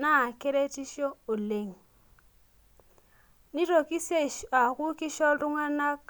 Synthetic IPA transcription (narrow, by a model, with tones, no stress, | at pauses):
na˦˨ke˦ɾe˦ti˦ʃo˦o˨le˨ŋ | ni˦ɾo˨ki˦se˦˨a˨ku˦kɪ˦ʃɔ˦lɾʊ˦ŋa˦na˦k̚